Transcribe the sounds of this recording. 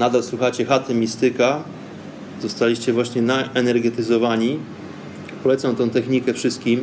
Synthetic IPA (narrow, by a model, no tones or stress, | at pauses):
nad̪alswuxat͡ɕɛxat̪ɛmʲist̪ɘka | zɔst̪alʲiɕt͡ɕɛvwaɕɲɛnaʔɛnɛɾɡɛt̪ɘzɔvaɲi | pɔlɛt̪samt̪ɔ̃w̃t̪ɛxɲikɛfʂɘst̪kʲim